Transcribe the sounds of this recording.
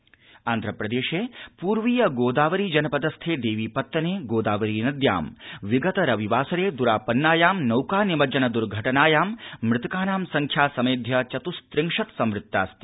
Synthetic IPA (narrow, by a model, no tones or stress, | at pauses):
aːnd̪ʱɾɐpɾɐd̪eːʃeːpuːɾʋiːjɐɡoːd̪aːʋɐɾiːd͡ʒɐnɐpɐd̪ɐst̪ʰeːd̪eːʋiːpɐt̪ːɐneːɡoːd̪aːʋɐɾiːnɐd̪ja̰ːmʋiɡɐt̪ɐɾɐʋiʋaːsɐɾeːd̪uɾaːpɐnːaːjaːmnɐwkaːnimɐd͡ʒɐnɐd̪uɾɡʱɐʈɐnaːjaːmmɾɪt̪ɐkaːnaːmsɐŋkʰjaːsɐmeːd̪ʱjɐt͡ʃɐt̪ust̪ɾɪŋʂɐt̪sɐmɾɪt̪ːa̰ːst̪i̥